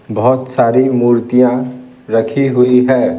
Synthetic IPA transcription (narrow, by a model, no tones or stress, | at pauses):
bɐɦʊt̪saːɾimuːɾt̪ijã | ɾɐkʰiɦʊiɦɛː